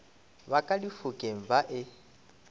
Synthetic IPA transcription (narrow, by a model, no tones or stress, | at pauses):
βakʼadifukʼeɱ̩vaʔɪ